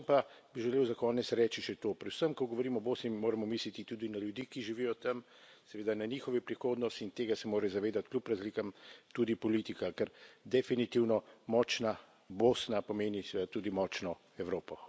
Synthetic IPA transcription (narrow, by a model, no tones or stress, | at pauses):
mpabiʒɛleːwzakɔːnɛt̪sɾɛːt͡ʃiʃɛt̪oːpɾɛd̪səmkɔɡoʋoɾiːmɔboːsnimoːɾɛmɔmiːslit̪it̪uːd̪inaljud̪ikiʒiʋijɔt̪ɐm | sɛʋeːd̪anaɲiːxɔʋipɾixoːd̪nɔst̪int̪eːɡasɛmoːɾɛzaʋeːd̪at̪klʲjupɾazlikamt̪uːd̪ipɔlit̪ikakɛɾd̪ɛfinit̪iwnɔmɔːt͡ʃna | boːsnapɔmeːnisɛʋed̪at̪uːd̪imɔːt͡ʃnɔ | ɛwɾoːpɔ